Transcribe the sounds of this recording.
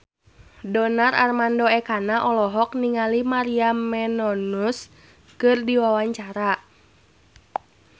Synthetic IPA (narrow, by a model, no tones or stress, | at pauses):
dɔnaɾʔa̰rmandɔɛkanaʔɔlɔɦɔk̚niŋalimaɾiamɛnɔnus | kɨrdiwawaɲt͡ʃaɾa